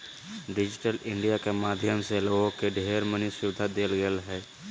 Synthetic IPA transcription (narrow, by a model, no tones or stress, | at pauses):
ɖɪd͡ʒɪʈəlɪ̃ɳɖijakemaːd̪ʱjəmseloːɡõkeɖʱeːɾmənisʊʋɪd̪ʱːad̪eːlɡelɦɛː